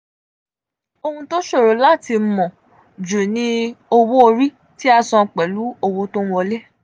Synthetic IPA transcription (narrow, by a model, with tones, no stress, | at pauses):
o˧hũ˧to˦ʃo˦˨ɾo˨˦la˦˨ti˧mɔ̃˨ | d͡ʒu˨nĩ˧o˧wo˦o˧ɾi˦ | ti˦a˧sɔ̃˧˨k͡pɛ˨lu˨˦o˧wo˦to˦ũ˦ɔ˧le˦